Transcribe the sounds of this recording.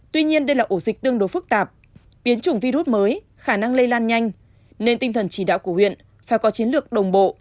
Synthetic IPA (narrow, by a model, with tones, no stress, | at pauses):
t̪wi˧ɲi˧ənɗə˧jlaː˨˩ʔo˧˩zï˨˩k̟̚t̪ɨ˧əŋɗo˨˦fɨ˦˥k̚t̪aː˨˩p̚ | ɓi˨˦ənt͡ɕʊ˧˩ŋ͡mvi˧ɾu˦˥t̚məː˨˦j | xaː˧˩na˧ŋlə˧jlaː˧nɲa˧jŋ̟ | ne˧nt̪ï˧ŋ̟t̪ʰə˨˩nt͡ɕi˧˩ɗa̰ː˧˨wku˧˩hwḭ˧˨ən | faː˧˩jkɔ˨˦t͡ɕi˨˦ənlɨ˨˩ək̚ɗə˨˩wŋ͡mɓo̰˧˨